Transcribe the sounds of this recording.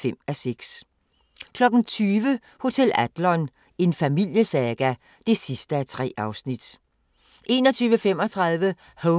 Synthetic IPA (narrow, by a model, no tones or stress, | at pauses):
fem̰æseɡ̥s | kʰlɒ̽ɡ̥n̩t͡sʰyːʋə | ho̝t͡sʰel̰æd̥lɒn | e̝nfæmil̰jəsæɡ̥æ | d̥e̝sisd̥əæt͡sʰʁɛ̰ːɑ̈ʊsnid̥ | ʔe̝ːnɒt͡sʰyːʋəfem̰ɒ̽t͡sʰʁɑ̈ðˠʋə | ho